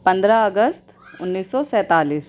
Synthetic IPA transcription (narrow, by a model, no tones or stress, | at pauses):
pɐ̃nd̪ɾaɐɡəst̪ʊnːiːsːɔsɛ̃ːt̪aːliːs